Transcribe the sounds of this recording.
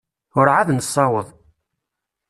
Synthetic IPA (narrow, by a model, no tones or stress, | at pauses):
ʊɾʕaðnsˤːɑwəðˤ